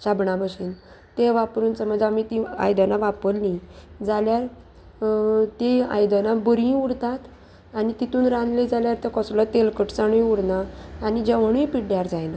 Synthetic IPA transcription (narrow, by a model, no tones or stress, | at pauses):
ɕabɳabəɕiːn | t̪eʋapɾuːnsəməd͡zamit̪ĩa̰jd̪anaʋapəlnĩd͡zaljaɾ | t̪ea̰jd̪anabəɾĩuɽt̪at̪ | anit̪it̪uːnɾanled͡zaljaɾt̪ekɔslɔt̪elkəʈt͡saɽ̃ujuɽnaːnid͡ʑam̤əɽ̃ũjpiɽjaɾd͡zajna